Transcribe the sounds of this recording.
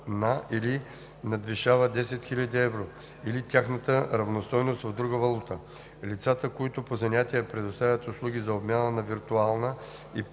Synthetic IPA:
naʔili | nɐd̪viʃavəd̪ɛsɛt̪xilʲəd̪iɛvɾo | ilit̪ʲjaxnət̪əɾɐvnost̪ɔjnost̪vɐvd̪ɾuɡəvɐlˠut̪ə | lit̪sat̪əkoit̪ʊpozɐnʲat̪ʲiɛpɾɛd̪ost̪avʲət̪ʊslˠuɡʲizɐobmʲjanənɐviɾt̪ualˠnə | i

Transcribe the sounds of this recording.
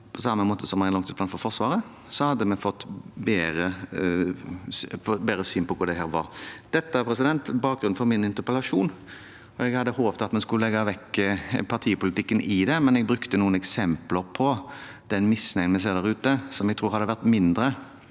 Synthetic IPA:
pʰɔsɑmːəmoːt̪ʰəsɔmɑɪnlɔkt̪sə̥plɑːnfɔɾfɔʁsʋɑːɾə | sɔhɑd̪ːəmɛfɔt̪ːbeːɾə | fɔbeːɾəsyːnpʰɔkʊd̪ɛɦæːɾʋɑ̰ɾd̪̥ɛt̪ːəæɾpɾɛsɪd̪ɛnt̪bɑːk̚ɡɾʉn̩fɔɾmɪnɪnt̪əpəlɑʂuːn | ɔɛɡhɑd̪ːəhoːpt̪ɑt̪mɛnskʉləlɛɡːɑʋɛkːpʰɑʁt̪ʰiːəpʊlɪt̪ɪkːənɪd̪ɛmɛnɛɡ̚bɾʉkt̪ənuːənɛksɛmpləɾpʰɔd̪̥ɛnmɪsɛŋnmɛs̬eːʁd̪æɾʉːt̪əsɔmɛɡt̪ʰɾuːɾhɑd̪ːəʋæʁt̪mɪnd̪ɾə

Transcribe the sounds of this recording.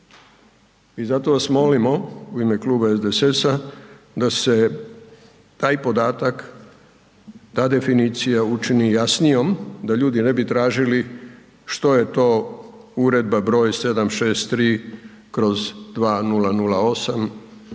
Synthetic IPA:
izat̪o̞ʋasmo̞limo̞uime̞kluːbaezd̪esesa | d̪ase̞ | t̪aːjpo̞d̪aːt̪ak | t̪aːd̪e̞finit̪sijaut͡ʃinijasnijo̞md̪aʎuːd̪ine̞bit̪ɾaːʒili | ʃt̪o̞je̞t̪oːuɾe̞d̪babɾo̞ːjse̞d̪amʃe̞ːst̪ːɾiː | kɾo̞zd̪ʋaːnulanulao̞sam

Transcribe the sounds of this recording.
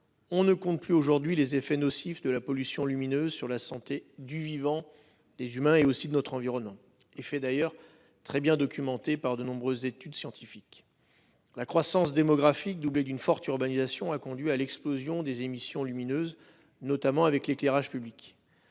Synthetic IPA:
ɔ̃nəkɔ̃t̪̚plyoʒuʁd̪ɥilezefɛnɔsifd̪əlapɔlysjɔ̃lyminøzsyʁlasɑ̃t̪ed̪yvivɑ̃ | d̪ezymɛ̃eosid̪ənɔt̪χɑ̃viʁɔnmɑ̃ | efɛd̪ajœʁ | t̪χɛbjɛ̃d̪ɔkʲymɑ̃t̪epaʁd̪ənɔ̃bʁøzːet̪yd̪sjɑ̃t̪ifik | lakχwasɑ̃s̬d̪emɔɡʁafik̚d̪ubled̪ynfɔʁt̪yʁbanizasjɔ̃akɔ̃d̪ɥialɛksplozjɔ̃d̪ezemisjɔ̃lyminøz | nɔt̪amɑ̃avɛkleklɛʁaʒpyblik

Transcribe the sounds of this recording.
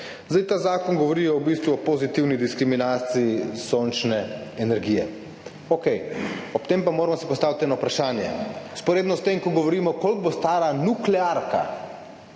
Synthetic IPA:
zd̪ajt̪aːzaːkɔnɡɔʋɔɾiːjɔwbiːst̪ʋuɔpozit̪iwnid̪iskɾiminaːt̪siisoːnt͡ʃnɛɛnɛɾɡijɛ | okɛjɔpt̪empamoːɾmɔsipɔst̪aːwt̪ɛnawpɾaʃaːnjɛ̰spɔɾeːd̪nɔst̪eːmkɔɡɔʋɔɾiːmɔkolɡ̚bost̪aːɾanuklɛaɾka̰

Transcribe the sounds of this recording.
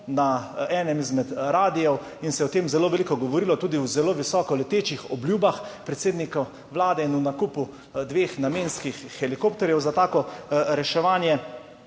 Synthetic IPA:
naɛːnɛmizmɛd̪ɾaːd̪ijɛw | insɛjɛɔt̪eːmzɛloːʋɛliːkɔɡɔʋɔɾiːlɔt̪uːd̪iwzɛloːʋisɔːkɔlɛt̪eːt͡ʃixɔbljuːbaxpɾɛt̪seːd̪nikɔ | ʋlaːd̪ɛinunakuːpu | d̪ʋeːxnameːnskixːɛlikoːpt̪ɛɾjɛwzat̪aːkɔɾɛʃɛʋaːnjɛ

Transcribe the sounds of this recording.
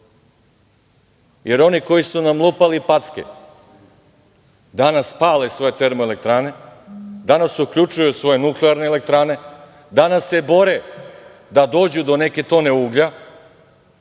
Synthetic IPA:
je̞ɾo̞niko̞jisunamlˠupalipat̪skḛ | d̪anaspaːlesʋo̞je̞t̪e̞ɾmoelek̚t̪ɾaːne̞d̪anasukʎʲut͡ʃujusʋo̞je̞nukleaɾne̞ele̞k̚t̪ɾane̞ | d̪anasːe̞bo̞ɾe̞ | d̪ad̪o̞ːd͡ʑud̪oneke̞t̪o̞ne̞uːɡʎa

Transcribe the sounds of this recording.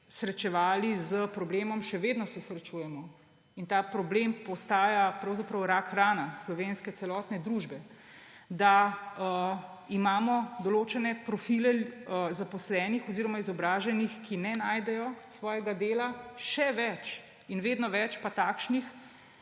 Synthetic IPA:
sɾɛt͡ʃɛʋaːlizəpɾɔbleːmɔmʃɛʋeːd̪nɔsɛsɾɛt͡ʃuːjɛmɔ | int̪aːpɾɔblempɔwst̪aːjapɾɐwzapɾəwɾakɾaːnaslɔʋenskɛt̪sɛlɔːt̪nɛd̪ɾuʒbɛ | d̪a | imaːmɔd̪ɔloːt͡ʃɛnɛpɾɔfilɛzapɔslɛnixɔziɾɔmaizɔbɾaːʒɛnixkinɛnaːjd̪ɛjɔsʋɔːjɛɡad̪eːlaʃɛʋɛt͡ʃ | inʋeːd̪nɔʋɛt͡ʃpat̪aːkʃnix

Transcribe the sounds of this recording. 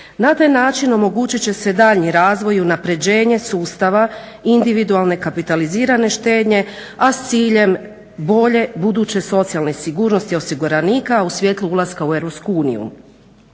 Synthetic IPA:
nat̪ajnaːt͡ʃino̞mo̞ɡuːt͡ɕit͡ɕe̞sed̪aːʎɲiɾaːzʋo̞junapɾe̞d͡ʑe̞ːɲe̞suːst̪aʋa | ind̪iʋid̪ualˠne̞kapit̪aliziːɾane̞ʃt̪e̞ːd̪ɲe̞ast̪siːʎe̞m | bo̞ʎe̞bud̪uːt͡ɕe̞so̞t̪sijalnesiɡuːɾno̞st̪io̞siɡuɾaniːkausʋʲjet̪luulˠaskaue̞vɾopskuuːnḭjṵ

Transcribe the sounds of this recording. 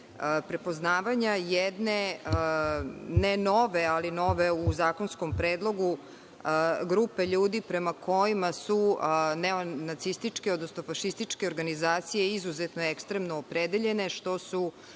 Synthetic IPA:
pɾepo̞znaːʋaɲajed̪ne | neno̞ʋealino̞ʋeuzaːko̞nsko̞mpɾeːd̪lˠo̞ɡu | ɡɾupe̞ʎuːd̪ipɾe̞mako̞jimasuneonat̪sist̪it͡ʃkeod̪nosnofaʃist̪it͡ʃke̞o̞ɾɡanizaːt̪sijeizuzet̪noekst̪ɾemnoːpɾed̪eʎe̞ne̞ʃt̪o̞su

